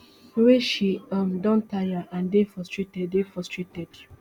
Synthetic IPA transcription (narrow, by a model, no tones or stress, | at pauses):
weʃiɔmdɔ̃ntajaʔãndefɔstɹetɛdefɔstɹetɛd